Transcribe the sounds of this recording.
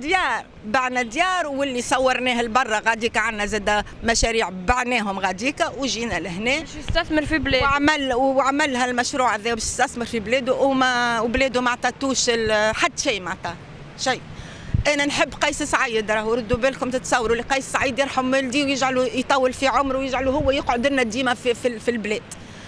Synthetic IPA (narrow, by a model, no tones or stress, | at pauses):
d̪jɑːɾˤ | baʕnæd̪jɑːɾˤwɪlːisˤɑwːɑɾˤnɛːhɪlbɑrˤːɑɣæd̪iːkʕanːæzæːd̪mæʃæɾiːʕbaʕnɛːɦʊmɣæd̪iːkæwʒiːnælɪɦnɛː | st̪æθməɾfiblɛʕamælʕamɪlːɦælmæʃɾuːʕæðɛːjbɛːʃɪst̪æθməɾfiblɛːd̪uʔmwblɛːd̪umaʕt̪ˤɑt̪uːʃɪlħad̪ːʃiːmaʕt̪ɑ | ʃij | ʔæːnænħəbːqɑːsasʕijːəd̪ɾˤɑːhuɾˤʊd̪ːubæːlkʊmt̪ɪt̪sˤɑwːɾwlːiqɑːssʕiːd̪jɑɾˤħamɪld̪iːwjɪʒʕalujt̪ˤɑːwːəlfiʕʊmɾwjɪʒʕaluhʊwːæjɪqʕod̪ɪnːæd̪iːmæfififilblɛːd̪̥